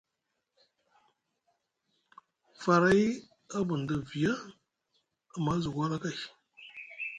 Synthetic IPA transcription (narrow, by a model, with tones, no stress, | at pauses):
fa˨ɾa˦j | a˦bu˨n˨da˨vi˨ja˦ | a˨ma˦zu˨ɡʷa˦la˦ka˦˨